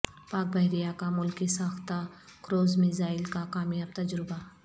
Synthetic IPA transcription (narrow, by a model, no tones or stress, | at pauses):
paːk̚bɐɦɾijakamʊlkisaːxt̪a | kɾoːzmɪzaːɪlkakaːmjaːb̚t̪ɐd͡ʒɾɪba